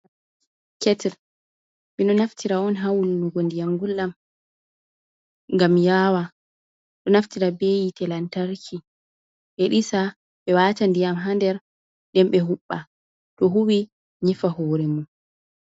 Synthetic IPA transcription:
kɛtɛl | miɗɔnaftʰiɾaɔnɦawlunuɡɔndijamɡulːam | ŋɡamjaːwa | ɗɔnaftiɾabejitɛlantaɾkʰi | ʔɛɗisa | ɓɛwatandijamɦandɛɾ | ɗɛmɓɛɦuɓːa | tɔɦuwi | ɲifahɔːɾɛmun

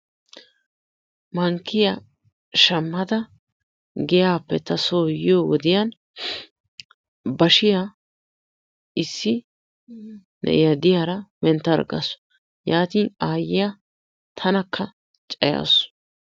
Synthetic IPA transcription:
mɐŋkːɪjɐ | ʃɐmːɐd̪ɐ | ɡɛjaːpːɛt̪ɐsoːjɪjoːwɔd̪ɪjɐn | bɐʃɪja | ɪsːɪ | nɛ̰jɐd̪ɪjaːɾɐmɛnt̪ːɐɾɡɐ̰sʊ̥ | jaːt̪iːnaːjɪja | t̪ʰɐnɐkːɐ | t͡ʃʼɐja̰sʊ̥

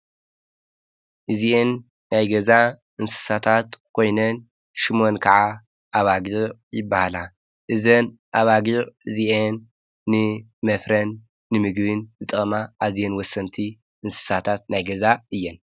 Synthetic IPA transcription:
ʔɨzienː | ajɡɐza | ʔɨnsɨ̥sat̪ʰat̪kʰo̞jnɐn | ʃimo̞nkʰɐʕa | ʔaβaɡiʕjɪbːahala | ʔɨzɐn | ʔaβaɡiʕɨziʔenː | ɨ | mɐfɾɐnː | ɨmɨɡβɨnzɨt̪ʼɐmaʔazijenwɔsːɐnt̪ʰi | ʔɨnsɨ̥sat̪ʰat̪̚najɡɐzaɨjːɛn

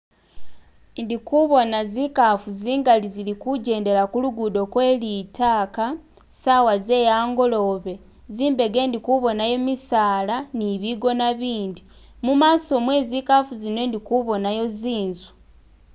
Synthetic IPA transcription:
ndikuβo̞nazikafuziːŋɡalizilikuɟe̞ːnde̞lakuluɡudo̞kwe̞ːlitaːka | sawaze̞ːjaːŋɡo̞lo̞βe̞ | ziːmbe̞ɡe̞ːndikuβo̞najo̞misaːlaniβiɡo̞naβiːndi | mumaːso̞mweːzikafuzinwe̞ːndikuβo̞najo̞ziːnzu

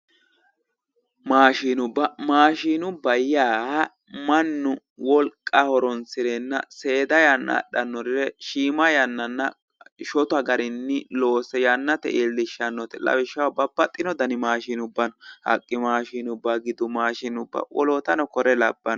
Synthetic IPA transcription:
maːʃiːnʊbːɐmaːʃiːnʊbɐjːaːhɐ | mɐnːʊ | wɔlkʼːɐhɔɾɔnsɪɾɛnːɐse̞ːd̪ɐjɐnːɐ̰ɗɐnːɔɾɪɾɛʃiːmɐjɐnːɐnːɐ | ʃɔt̪ɐɡɐɾɪnːɪloːsɛjɐnːɐt̪ɛ̰ʔelːɪʃːɐnːɔt̪ɛlɐ̰wɪʃːɐwɐbɐbːɐt̪ʼːɪnɔd̪ɐnɪmaːʃiːnʊbːɐnɔhɐ̰kʼːɪmaːʃiːnʊbːɐɡɪd̪ʊmaːʃinʊbːɐ̰wʔɔ̰lot̪ɐnɔkɔɾɛlɐbːɐn

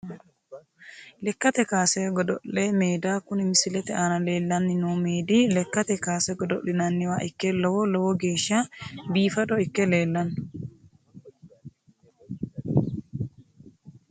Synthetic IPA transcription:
lɛkːɐt̪ɛkaːsɛɡɔd̪ɔʔːɛmeːd̪aːkʊnɪmɪsɪlɛt̪ɛʔaːnɐle̞ːlːɐnːɪnoːmeːd̪ɪlɛkːɐt̪ɛkaːsɛɡɔd̪ɔʔɪnɐnːɪwaːʔɪkːɛlɔwɔlɔwɔɡe̞ːʃːabiːfɐd̪ɔɪkːɛle̞ːlːɐnːʊ

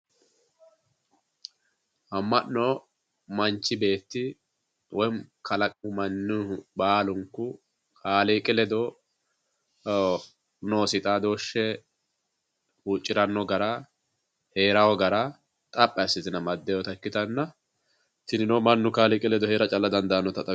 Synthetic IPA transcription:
hɐmːɐnːɔ | mɐnt͡ʃːɪbe̞ːt̪ːɪ | wɔjnkʰɐlɐkʼʊmɐnːubaːlʊŋkːʊ | kʰaːlikʼɪlɛd̪ɔ | noːsɪt̪ʼaːd̪o̞ːʃːɛ | huːt͡ʃʼːɪɾɐnːɔɡɐɾɐ | he̞ːɾɐwɔɡɐɾɐ | t̪ʼɐpʼːɐɐsɪzɪnɐmɐd̪ːɛjɔt̪ɐkːɪt̪ɐnːɐ | t̪ɪnɪnomɐnːʊkaːlɪkʼɪlɛd̪ɔheːɾɐt͡ʃʼɐlːɐd̪ɐnd̪ɐɐnːɔt̪ɐt̪ʼɐ

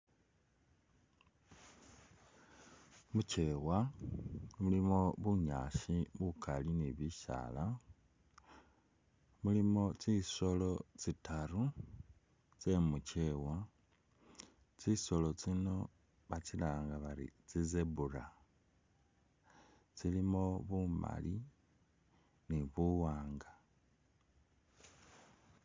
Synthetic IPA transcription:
muce̞wa | mulimo̞βuɲa̰ːʃiβukʰaliniβiʃa̰la | mulimo̞t͡siso̞lo̞t͡sitʰaru | t͡se̞mut͡ʃewa | t͡siso̞lo̞t͡sino̞ | βat͡silaːŋɡaβaɾḭt͡sizebura | t͡silimo̞βuma̰li | niβuwaːŋɡa

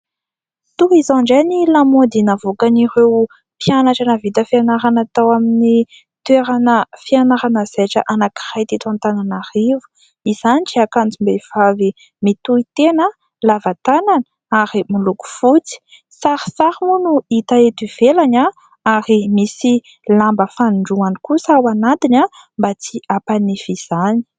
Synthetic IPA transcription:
t̪ukizãɳɖ͡ʐanilamod̪inavokaniɾew | pianaʈ͡ʂanəvit̪əfianaɾanat̪awamini | t̪weɾanəfianaɾanəz̥aʈ͡ʂə̰ʔanaki̥rajt̪it̪ant̪ananarivu̥ | iz̥aniʈ͡ʂiakant͡simbev̥avi | mit̪uit̪enə | lavat̪ananə | aɾimiluku̥fut͡si̥ | saɾi̥saɾimunuit̪aet̪iv̥elaɲa | aɾimisi | lambəfanɳɖ͡ʐuanikusawanat̪ina | mbat͡siʔapanifiz̥ani̥

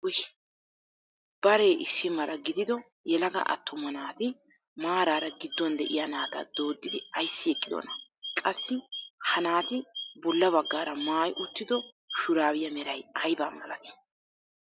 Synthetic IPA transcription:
wʊʃ | b̥ɐɾeːʔɪsːɪmːɐɾɐɡɪd̪ɪd̪ɔ | jɛlɐɡɐ̰ʔɐ̰t̪ːʊmɐnaːt̪ɪ | maːɾaːɾɐɡɪd̪ːɔnd̪ɛʔɪ̰jɐnaːt̪ɐ̰d̪o̞ːd̪ːɪd̪ɪɐjsːɪɛkʼːɪd̪o̰nɐkʼɐsːɪhɐnaːt̪ɪbɔlːɐbɐɡːaːɾɐmaːjʔʊt̪ːɪd̪ɔ | ʃʊɾaːwɪjɐmɛɾɐjɐjba̰ːmɐlɐt̪ɪ̥

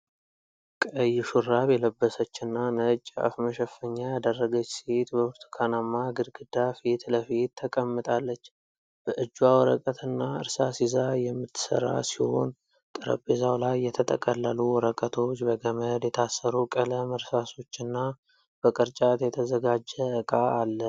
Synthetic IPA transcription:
kʼəjːɪʃurːaβjɛləbːəsət͡ʃːɨnːanət͡ʃʼːa̰fməʃəfːəɲːajad̪ərːəɡət͡ʃːset̪bəwɨɾt̪ʰu̥kʰanamːaɡɨɾɡɨd̪afit̪ləfit̪ʰːəkʼəmːɨt̪ʼalːət͡ʃː | b̥əʔɨd͡ʒːwawɔɾə̰kʼət̪ʰɨnːaɨ̰ɾsasizajɛmːɨt̪ʰːɨ̥sə̰ɾa̰siho̞̰n | t̪ʼɨɾə̰bezawlajːɛt̪ʰət̪ʼʰə̰kʼəlːəluwɔɾəkʼət̪ʰo̞t͡ʃːbəɡəməd̪jɛt̪ʰasːəɾukʼələməɾsaso̞t͡ʃːɨnːa | b̥əkʼɨɾt͡ʃʼat̪jɛt̪ʰəzəɡad͡ʒːəɨkʼaːlːə

